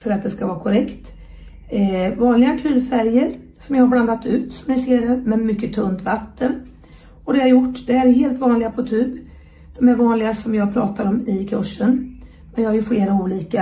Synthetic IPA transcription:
fœɾat̪̚d̪ɛskavɑːɾkʰɔɾɛkt̪ | vɑːnlɪɡakʰʉ̟ːlfæɾjəɾ | sɔmjɑhaɾbland̪at̪ːʉ̟ːt̪sɔmnɪseːɾɛmɛnmʏkːət̪ʰɵnd̪vat̪ʰːən | ɔd̪ɛjhaɾjʊʈːd̪̥ɛæɾheːlt̪vɑːnlɪɡapʰɔt̪ʰʉ̟ːb | d̪̥ɔmæɾvɑːnlɪɡasɔmjɑːɡ̚pʰɾɑːt̪ʰaɾɔmɪkʰɵʂːən | mɛnjɑhaɾjɵfleːɾauːliːka

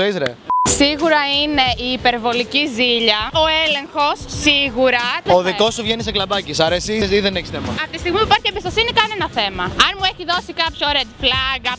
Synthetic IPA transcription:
izɾesiɣuɾɐine̞ʔiːpe̞ɾvo̞liciziʎɐoele̞ŋxo̞sːiɣuɾɐoðiko̞st̪uvʝeniseklɐbɐcisɐɾesisiðeneçi̥sθemɐ̰ɐft̪ist̪iɣmipuipɐɾçiebist̪o̞sinikɐnenɐθemɐɐnmueçiðo̞sikɐpçoɾed̪flɐɣɐ

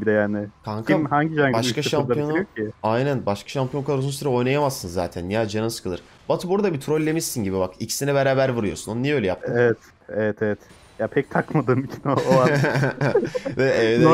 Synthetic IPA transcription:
id̪ɛjaːnɪkʰaŋkʰamhaɲɟid͡ʒaɲbakaʃamp̪ajo̞nujocʰiajnænbaʃkʰḁʃampʰijo̞nkʰaaɾozunsyɾɛo̞jnajamasːɯnza̰ːt̪ʰænːijaːd͡ʒananɯskʰɯlˠɯɾ̥ | b̥at̪ʰɯbuɾad̪abit̪ʰɾo̞lʲːemisinɟibibakicʰi̥sinɛbeɾaːbæɾvɯɾujo̞sunonunijɛø̞jlʲɛja̰pt̪ʰevɛt̪ | evɛt̪ʰevɛt̪ | japʰɛc̚t̪ʰakmad̪ɯːmit͡ʃʰi̥noa | ɛɛɛd̪

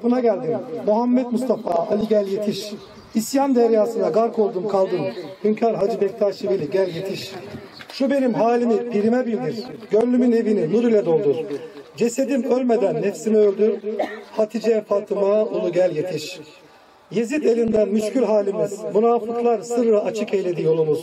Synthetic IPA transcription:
punaɟælʲd̪immuɦamːɛt̪must̪ʰafaːalʲiɟælʲjet̪ʰiʃ | isjand̪æɾjaːsɯnaɡaɾkʰo̞lˠd̪umkʰalˠd̪ɯmhyncʰaɾɦad͡ʒibɛct̪ʰaɾʃivilʲiɟælʲjet̪ʰiʃʃube̞nimɦaːlʲimipʰiɾimɛbiɾʲd̪iɾ̥ɟøɾːʲymyne̞vininuɾilʲɛd̪o̞lˠd̪uɾd͡ʒe̞se̞d̪imøɾʲme̞d̪ænːɛfsimɛølʲd̪yɾhat̪ʰid͡ʒɛɛfalt̪ʰɯmaolˠuɟælʲje̞t̪ʰiʃ | je̞zit̪e̞lʲind̪ænmyʃcyɾɦaːlʲimiz̥munaːfɯklˠaɾsɯɾɯɾaat͡ʃʰɯke̞jlʲed̪ijo̞lˠumuz̥

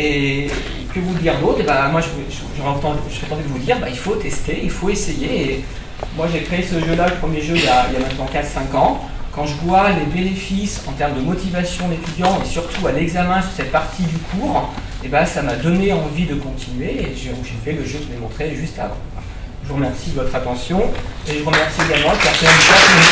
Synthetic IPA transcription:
e | kəvud̪iʁd̪ot̪χebamwaʒəvʒ | ʒəʁɛɑ̃t̪ɑ̃d̪ʒəpet̪ɑ̃d̪yd̪əvud̪iʁbailfot̪ɛst̪eilfoesejeː | mwaʒekχeesəʒølaləpχəmjeʒøiljailjamɛ̃t̪nɑ̃kat̪χsɛ̃kɑ̃ | kɑ̃ʒəvwalebenefisɑ̃t̪ɛʁməd̪əmɔt̪ivasjɔ̃let̪yd̪jɑ̃esyʁt̪ʰualɛɡzamɛ̃sy̥ʁsɛt̪̚paʁt̪ʰid̪ykʰuːʁ | ebasamad̪ɔneɑ̃vid̪əkɔ̃t̪ʰinɥeːʒeuʒefɛləʒøkʒemɔ̃t̪χeʒyst̪a̰vɑ̰̃ | ʒəvuʁəmɛʁsid̪əvɔt̪χat̪ɑ̃sjɔ̃eʒəvuʁəmɛʁsieɡalmɑ̃ləkɛʁsɛnʃat

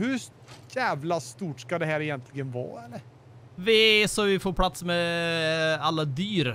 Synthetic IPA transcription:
hɵ | jæːvlast̪uːʈskad̪ɛɦæːɾɛjɛnt̪ʰlɪɡənvɑ̰ːɛlːəɾ | vɛsɔʋɪfoːɾpʰlat̪smɛ | alːad̪yːɾ

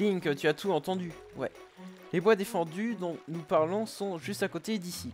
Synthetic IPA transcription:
iŋkət̪yat̪uɑ̃t̪ɑ̃d̪y | wɛ̰ | lebwad̪efɑ̃d̪yd̪ɔ̃nupaʁlɔ̃sɔ̃ʒyst̪akot̪ed̪isi

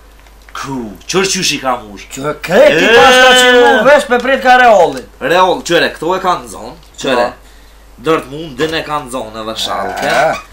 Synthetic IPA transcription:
kʰut͡ʃəɾt͡ʃyʃikamuʃkɛkipaʃat͡ʃəuvɛʃpɛpɾɛt̪̚kaɾɛɔlˠiɾɛɔlˠt͡ʃɛɾɛkt̪ɔɛkanzɔ̰n | t͡ʃɾɛ | d̪ɔɾt̪mund̪d̪ənɛkanzɔnɛðɛʃa̰lˠk̪ɛ

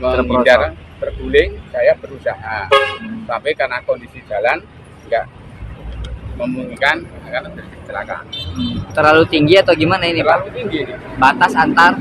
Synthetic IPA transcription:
mədaɾt̪ərɡulɪŋsajabəɾusaɦasampajkarnakɔndisi̥d͡ʒalan | ŋɡa̰ʔ | məmuŋikanakanbəkəkə̥t͡ʃəla̰ka̰nt̪ərlalut̪iŋɡiat̪awɡimanainiat̪ut̪iŋɡinɪbat̪asant̪ar

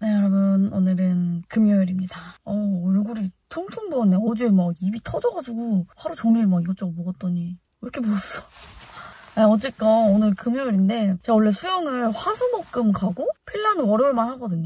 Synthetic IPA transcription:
nejʌɾʌbɯnonɯɾɯnkɯmjʌjiɾimɲidaʌːɭɡuɾitʰoŋtʰuŋbuʌnːeod͡ʑimaɡibitʰʌd͡ʑʌɡad͡ʑuɡuhaɾut͡ɕʌŋiɭmaɡiɡʌt͡ɕ͈oɡɯmboɡʌt͈̚ʌɲi | ɾʌkʰe̞boʌs͈ʌ̥ | aʌt͡ɕ͈ek͈ʌonɯɭkɯmjʌjoɾinde̞t͡ɕaoɭːe̞sʰujʌŋɯɭɸwasʰomʌk͈ɯmkaɡopʰeɭːanwʌɾjʌɭmanhaɡʌdɯɲo

